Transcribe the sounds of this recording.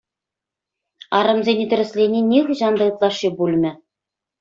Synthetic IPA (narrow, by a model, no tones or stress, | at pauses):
ɑɾɤ̆mzʲenʲet̪ʲɘ̆ɾʲɘ̆sʲlʲenʲenʲixɤʑɑnd̪ɤ̆ɯt̪lˠɑʂːibulʲmʲɘ̆